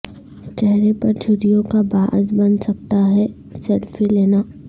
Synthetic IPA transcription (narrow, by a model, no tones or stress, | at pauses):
t͡ʃɛɦɾepɐɾd͡ʒʰʱʊɾijõkabaːʔzbɐnsɐk̚t̪aɦɛ | sɛlfileːnaː